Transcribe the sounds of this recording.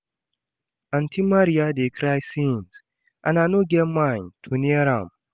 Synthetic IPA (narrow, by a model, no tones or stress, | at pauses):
ãntʰimaɾiadekʰɾajsĩns | ʔã̰nanoɡɛmãntʰuniɛɾãm